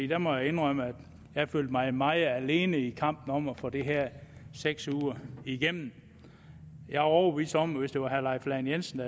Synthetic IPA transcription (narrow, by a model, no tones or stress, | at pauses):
ḭːd̥æmɒjɑ̈e̝nʁœməæd̥ | jɑ̈føl̰d̥mɑ̈ɪmɑ̈ɪð̩ˠæle̝ːnəikʰɑ̈m̰b̥n̩ɒ̽m̰fɒ̽d̥iɦæɐ̰seɡ̥suːɐiɡ̥em̰n̩ | jɑ̈ɪhɒʊəʋḭːsd̥ɒ̽m̰ʋesd̥e̝ʋɑ̈ɦæɐlɑ̈ɪflænjensn̩d̥æ